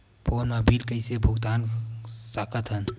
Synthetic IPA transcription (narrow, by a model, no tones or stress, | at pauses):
poːnəbʱiːlkəisebʱʊɡt̪aːnsaːkʰət̪ɦən